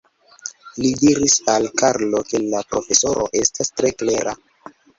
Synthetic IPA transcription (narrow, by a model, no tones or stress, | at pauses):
lidiɾisalkaɾlo̞ke̞lapɾo̞fe̞so̞ɾo̰ʔe̞stastɾe̞kleɾa̰